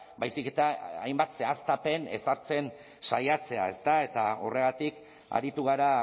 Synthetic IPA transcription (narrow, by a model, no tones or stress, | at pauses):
bajsike̞t̪aajmbat̪se̞ast̪ape̞ne̞̰saɾt͡se̞n | sajat͡se̞a̰e̞st̪ae̞t̪ao̞̰re̞ɣ̞at̪ik | a̰ɾit̪uɣ̞aɾa